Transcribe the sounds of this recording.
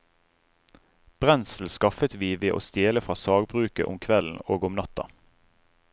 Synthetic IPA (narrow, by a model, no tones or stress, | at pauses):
b̥ʁɛnsl̩skɑfət̪ʋiːʋeːʔo̰ːst̪jeːləfʁɑːsɑːɡbʁʉːkə̰ʔʊ̰mkʰʋɛln̩oːɡʊmnɑt̪ɑ̰